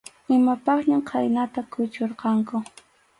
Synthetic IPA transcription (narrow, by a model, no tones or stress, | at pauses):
ɪmapɑχɲamqʰɑjnat̪akʰʊt͡ʃoɾqɑŋkʊ